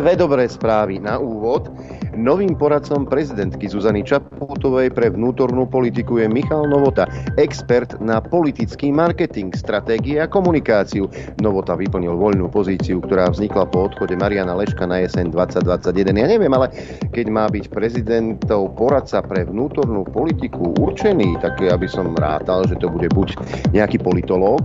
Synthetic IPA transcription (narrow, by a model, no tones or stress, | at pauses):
d̪ʋɛd̪ɔbɾɛːspɾaːʋinaʔuːʋɔd̪ | nɔʋiːmpɔɾat̪t͡sɔmpɾɛzid̪ɛnt̪kizuzanit͡ʃapɔt̪ɔʋɛjpɾɛʋnuːt̪ɔɾnuːpɔlit̪̬ikujɛmixalnɔʋɔt̪aɛkspɛɾt̪napɔlit̪it͡skiːmaɾkɛt̪iŋkst̪ɾat̪ɛːɡiɛakɔmunikaːt͡siunɔʋɔt̪aʋipl̩ɲilʋɔʎnuːpɔziːt͡siukt̪ɔɾaːvzɲiklapɔɔt̪xɔɟɛmaɾianalɛʃkanaɛsɛnd̪ʋat͡sːaɟ̚d̪ʋat͡sːaɟjɛd̪ɛnjaːɲɛʋɪɛmalɛ | kɛɟmaːbicpɾɛzid̪ɛnt̪ɔʊpɔɾat̪t͡sapɾɛʋnuːt̪ɔɾnuːpɔlit̪ikuʔṵɾt͡ʃɛniːt̪aɡjabisɔmɾa̰ːt̪alʒɛt̪ɔbuɟɛbuɟɲɛakiːpɔlit̪ɔlɔːk